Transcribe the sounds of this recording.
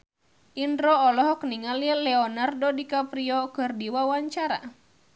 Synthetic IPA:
ʔindɾɔːlɔɦɔkniŋalilɛɔnardɔdikapɾiɔkɨrdiwawaɲt͡ʃaɾa̰

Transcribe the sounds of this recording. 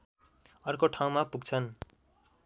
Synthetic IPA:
ʌrkoʈʰaw̃mapuɡt͡sʰʌn

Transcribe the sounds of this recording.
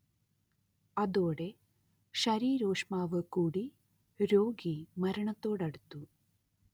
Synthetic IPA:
ɐd̪oːɽe̞ | ʃɐɾiːɾoːʂmaːʋɐkuːɽi | ɾoːɡimɐɾɐɳɐt̪ːo̞ːɽɐɽut̪ːu

